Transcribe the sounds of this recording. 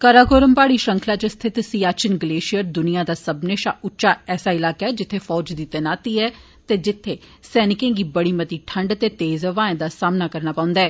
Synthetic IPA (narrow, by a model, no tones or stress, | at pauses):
kəɾaːɡoːɾəmpaːɽiːʃəŋkʰlaːt͡ʃəst̪ʰɪt̪siːaːt͡ʃənɡəleːʃɪjəɾd̪ʊnijãːd̪aːsəbneːʃa̰ːʔʊtːʃaːɛːsaːɪlaːkɛːd͡ʒɪt̪ʰːeːfʰɔːd͡ʒd̪iːt̪ənaːt̪iːɛː | t̪eːd͡ʒɪt̪ʰːeː | sɛːnɪkẽːɡiːbəɽiːmət̪iːʈʰəɳɖt̪eːt̪eːzəʋaːẽd̪aːsaːmnaːkəɾnaːpãːʊ̃nd̪aɛː